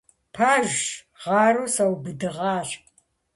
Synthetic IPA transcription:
pʰaːʒ | ʁɑːɾusɐwbɨdɨʁɑːɕ

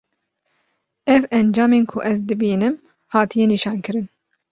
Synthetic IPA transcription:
ɛvɛnd͡ʒɑːmeːnkʰʊʔɛzd̪ɨbiːnɨm | hɑːt̪ʰijɛniːʃɑːnkɨɾɨn

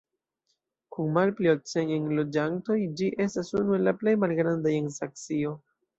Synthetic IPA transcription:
kunmalpliok̚t͡sejenlo̞d͡ʒanto̞jd͡ʒiʔe̞stasunue̞lːaple̞jmalɡɾandajensak̚t͡sio̞

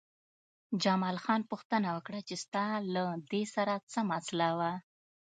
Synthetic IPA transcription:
d͡ʒamɑlxɑnpuxt̪ənawəkɽat͡ʃest̪ɑlad̪esaɾat͡səmaslawa

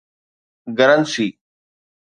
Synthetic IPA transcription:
ɡəɾənsiː

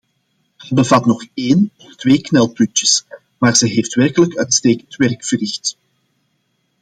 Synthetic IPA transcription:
zɛbəvɑtnɔxeːnɔftʋeːknɛlˠpʉtjəs | maːrz̥ɛɦeːftʋɛrkələkœːtsteːkəntʋɛrkfərɪxt

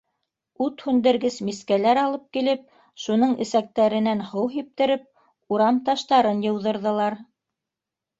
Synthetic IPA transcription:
ʉt̪hʉnd̪ɘ̆ɾɡɘsmiskælæɾɑlˠɤp̚kilɘp̚ | ʃunɤɴɘ̆sæk̚t̪æɾɘ̆nænhɤwɦip̚t̪ɘ̆ɾɘp̚ | uɾɑmt̪ɑʃt̪ɑɾɤnjɤ̆wðɤ̆ɾðɤ̆lˠɑɾ

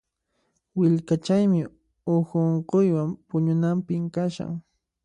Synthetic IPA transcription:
wɪʎkat͡ʃajmɪ | oxoɴqojwampʊɲʊnampɪmkaʃa̰ŋ

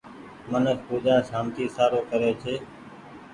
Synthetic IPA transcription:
mənəkpuːd͡ʒaːsaːmt̪iːsaːɾoːkəɾeːt͡ʃʰeː

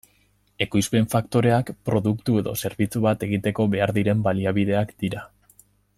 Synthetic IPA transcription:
e̞kujspe̞ɱfakt̪o̞ɾe̞akpɾo̞ðukt̪ue̞ðo̞̰se̞ɾβit͡suβat̪e̞ɣ̞it̪e̞ko̞βe̞aɾðiɾe̞mbaliaβ̞iðe̞akd̪̥iɾa

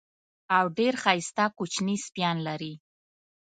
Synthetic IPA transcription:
awɖeɾxɑjst̪akut͡ʃnispjɑnlaɾi

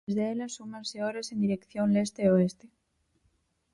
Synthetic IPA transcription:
zðeelansumãnseoɾesend̪iɾekθjo̞nlest̪eoest̪e

